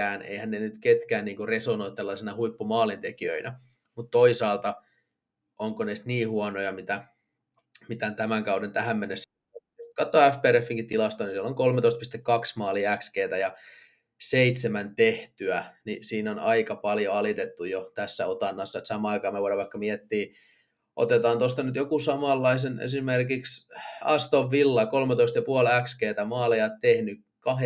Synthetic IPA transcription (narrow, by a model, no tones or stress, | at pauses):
æːnḛihænːnenyt̪ket̪kæːnniːŋkuresonoit̪t̪ːelːɑsinɑhuipːumɑːlint̪ekiø̰inæ | mut̪t̪oisɑːlt̪ɑ | ʔoŋkoneist̪niːhuɑnojɑmit̪æ | mit̪ænt̪æmæŋkɑudent̪æɦæmːenːesː | kɑt̪ːoæfpeːɾefːiŋkit̪t̪ːilɑst̪onisieloŋkolmet̪oist̪pist̪ekːɑksmɑːliækskeːt̪æjɑ | seit̪semænt̪eht̪yænisiːnonɑikɑpɑljoɑlit̪et̪ːujot̪æsːæot̪ɑnːɑsːɑet̪sɑmɑːɑikɑːmeʋoiɾɑʋɑikːɑmiet̪ːiː | ʔo̰t̪et̪ɑːnt̪ost̪ɑnyt̪jokusɑmɑlːɑisenḛsimerkiksɑst̪oʋːilːɑkolmet̪oist̪jɑpuɑlækskeːt̪æmɑːlijɑt̪t̪ehny | kɑhe